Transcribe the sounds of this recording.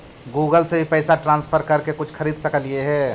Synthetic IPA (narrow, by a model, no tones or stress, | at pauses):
ɡuːɡəlsebʱipɛɪsaʈɾãːnspʰəɾkɐɾkekʊt͡ʃʰkʰəɾiːd̪səkəlieɦɛː